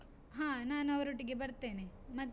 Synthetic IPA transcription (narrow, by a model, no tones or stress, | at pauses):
ɦaːnaːnɐʋɐɾoʈːiɡe̞bɐɾt̪ːeːnemɐt̪ː